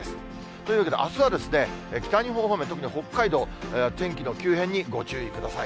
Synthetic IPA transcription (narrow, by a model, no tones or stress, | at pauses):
esɨ̥ | t̪o̞iɯ̟βaked̪eʔasɨβad̪e̞sɨne̞ekʲi̥t̪aɲ̟iɦoːɦomet̪o̞kɯ̟ɲʲiho̞kːaid̪o̞ːt̪ẽ̞ŋkʲino̞kʲɨːɦẽ̞ɲ̟ːiɡo̞t͡ɕɨːikɯ̟d̪asai